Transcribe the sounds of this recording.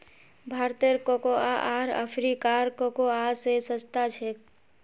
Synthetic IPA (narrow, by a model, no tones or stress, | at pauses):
bʱaɾt̪eɾkokoa̰ʔaɾə̰pʰɾikaɾkokoasesət͡ʃt̪at͡ʃʰe